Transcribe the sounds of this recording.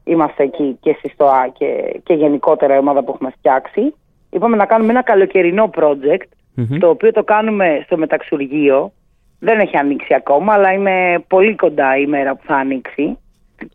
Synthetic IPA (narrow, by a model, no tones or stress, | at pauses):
imɐst̪e̞ːcice̞st̪ist̪oɐcḛceʝe̞niko̞t̪e̞ɾɐio̞mɐðɐpuexume̞ft̪çɐksi | ipɐme̞nɐkɐnumeenɐkɐlo̞ce̞ɾino̞pɾo̞d͡ze̞kt̪ | t̪o̞ːpio̞t̪o̞kɐnume̞st̪o̞me̞t̪ɐksuɾʝio̞ | ðe̞ne̞çiɐniksiɐko̞mɐːlɐine̞po̞liko̞nd̪ɐime̞ɾɐpu̥θɐːniksi